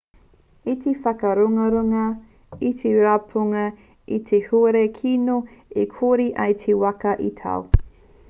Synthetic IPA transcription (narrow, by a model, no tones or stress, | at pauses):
itefɐkɐɾoŋɐɾoŋɐ | it̪ʰeɾapʰoŋɐ | it̪ʰehoɾekʰinoikʰoɾiʔɐjtʰewɐkɐʔitʰɐ̰w